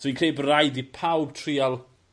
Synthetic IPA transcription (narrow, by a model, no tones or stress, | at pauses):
swĩnkʰreːbrajdipʰawb̚tʰrialˠ